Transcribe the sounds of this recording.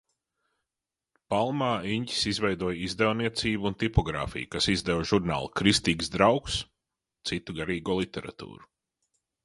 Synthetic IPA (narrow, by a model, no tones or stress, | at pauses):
palˠmaːiɲci̥sizvɛjd̪uɔjizd̪ɛwniɛt̪siːbuunt̪ipɔɡɾa̰ːfḭjukasizd̪ɛwʒuɾna̰ːlˠkɾist̪iːɡzd̪ɾawks | t̪sit̪uɡaɾiːɡuːlˠit̪ʲɛɾa̰t̪ṵːɾu